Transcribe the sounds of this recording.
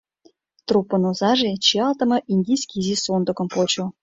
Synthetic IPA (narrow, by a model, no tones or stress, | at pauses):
t̪rupːə̆nozɑʒet͡ɕiɑlˠt̪ə̆mɤ̆ʔinʲd̪ʲijsʲkʲizʲisond̪ə̆kɤ̆mpot͡ɕo